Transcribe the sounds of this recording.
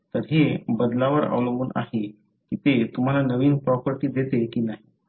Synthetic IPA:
t̪əɾɦebəd̪laʋəɾa̰ʋləmuːna̰ɦe | kiːt̪et̪um̤alanəʋiːnpɾɔpəɾʈiːd̪et̪ekiːnaɦi

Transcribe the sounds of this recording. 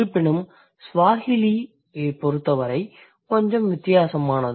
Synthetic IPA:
ɯpːɪɳɯm | sʋaːhɪli | epɔɾɯt̪ːɐʋɐɾɐɪ | kɔɲd͡ʒɐmʋɪt̪ːɪjaːsɐmaːnɐð

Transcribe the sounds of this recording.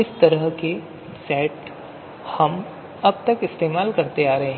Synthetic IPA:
ɪst̪ɐɾəɦke | sɛːʈ | hɐm | ɐb̚t̪ɐkɪst̪eːmaːlkɐɾt̪eaːɾɐɦẽɦɛ̃

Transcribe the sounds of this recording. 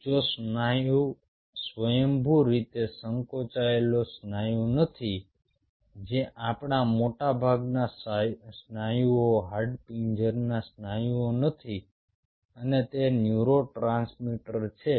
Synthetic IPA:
d͡ʒosaju | sʋəjəmbʱuɾit̪esəŋkot͡ʃaelosnajũnət̪ʰi | d͡ʒeʔapɳamoʈabʱaɡnassnajuoɦaɾɖpind͡ʒəɾnasnajuonət̪ʰi | ənet̪enjuɾoʈɾãnsmiʈəɾt͡ʃʰe

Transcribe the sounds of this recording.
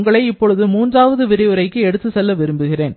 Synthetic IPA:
ŋɡɐɭɐɪɪpːɔɻɯðɯmuːndraːʋɐðɯʋɪɾɪjɯɾɐɪkːɯɛɽɯt̪ːɯsɛlːɐʋɪɾɯmbɯɣɪreːn

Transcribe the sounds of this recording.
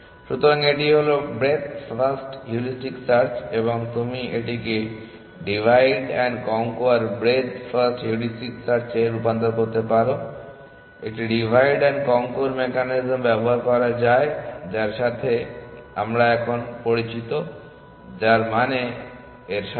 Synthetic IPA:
ʃut̪ːoɾaŋeʈiɦolobɾed̪fasʈjuɾisʈiksaɾt͡ɕeβoŋt̪umiʔeʈike | ɖibʱajɖɛnkɔŋkoaɾbɾed̪fasʈjuɾisʈiksaɾt͡ɕeɾupant̪oɾkoɾt̪epaɾo | ḛʈiɖibʱajɖɛnkɔŋkoɾmekanizmbɛboɦaɾkɔɾad͡ʑaed͡ʑaɾʃat̪ʰea̰mɾaɛkʰonpoɾit͡ɕit̪o | d͡ʑaɾmane | eɾʃa

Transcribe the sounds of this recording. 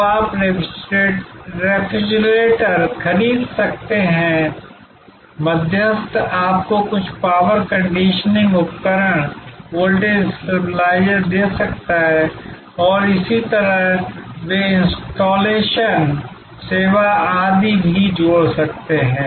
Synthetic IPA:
aːp | ɾeːfʰɪd͡ʒleːʈəɾkʰɐɾiːd̪sɐk̚t̪eɦɛ̃ | mɐd̪ʱjəst̪aːp̚kokʊt͡ʃʰpaːʋəɾkɐ̃ɳɖiːʃənɪ̃ŋɡʊpkəɾəɽ̃woːlɖẽŋsɐɾplaːɪjəɾd̪eːsɐkt̪aɦɛ | ɔːɾɪsit̪ɐɾəɦʋeɪ̃nsʈoːleːʃən | seːʋaaːd̪ibʱid͡ʒoːɽsɐk̚t̪eɦɛ̃ː

